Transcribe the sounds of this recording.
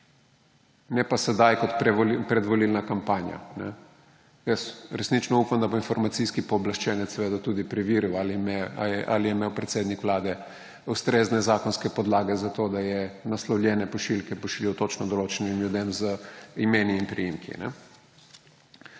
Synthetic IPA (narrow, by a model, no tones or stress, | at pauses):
nɛpasɛd̪ajkɔt̪pɾɛpɾɛd̪ʋɔlilnakampaːnja̰nɛ̰ | jəsɾɛsnit͡ʃnɔuːpamd̪aboinfɔɾmat̪siskipɔːblaʃt͡ʃɛnɛt̪sɛʋeːd̪at̪uːd̪ipɾiʋiːɾiwa | ʔa̰lijɛimeːwpɾɛt̪seːd̪nikʋlaːd̪ɛ | ust̪ɾeːznɛzaːkɔnskɛpɔd̪laːɡɛzat̪oːd̪ajɛnaslɔwljɛːnɛpɔʃilkɛpɔʃiljɛwt̪ot͡ʃnɔd̪ɔloːt͡ʃɛnimljud̪emzəimeːniːmpɾijimkḭnɛ̰